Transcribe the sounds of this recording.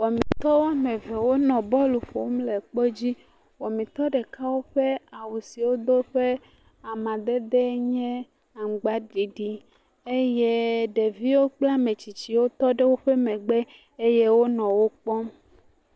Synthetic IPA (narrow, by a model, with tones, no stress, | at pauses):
wɔ˨mĩ˨t̪ɔ˦wo˦a˦mẽ˨vɛ˨wo˦nɔ̃˨bɔ˦lu˨ɸo˨˦mle˨k͡pɔ˦d͡ʑi˦ | wɔ˨mĩ˨t̪ɔ˦ɖe˨ka˦wo˦ɸe˦a˨wu˨si˨wo˦d̪o˦ɸe˦ | a˨mã˨d̪e˦d̪ɛ˦ɲɛ̃˦ | a˨ŋ̩˨ɡ͡ba˦ɖi˨ɖi˦ | e˦je˦ɖe˨vi˦wo˦k͡pla˦mẽ˨t͡ɕi˨t͡ɕi˨wo˦t̪ɔ˦ɖe˦wo˦ɸe˦mɛ̃˨ɡ͡be˦ | e˦je˦wo˦nɔ̃˨wo˦k͡pɔ˦m